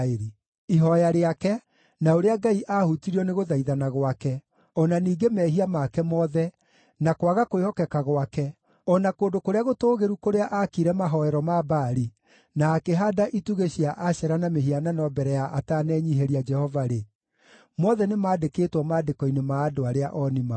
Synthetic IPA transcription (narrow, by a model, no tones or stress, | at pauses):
eɾi | iɦɔjaɾeakɛ | naoɾeaɡaiʔahutiɾiɔneɣoðaiðanaɣwakɛ | ɔnaniːɡemɛːɦiamakɛmɔðɛ | nakwaɣakoehɔkɛkaɣwakɛ | ɔnakoːdokoɾeaɣotoːɣeɾukoɾeaʔakiɾɛmaɦɔɛɾɔmabaːɾi | naːkeɦaːdaʔituɣeɕiaʔaɕɛɾanameɦiananɔbɛɾɛjaʔatanɛːɲiɦeɾiad͡ʒɛhɔvaɾe | mɔðɛnemaːdekeːtwɔmaːdekɔinemaːdoaɾeaʔɔnima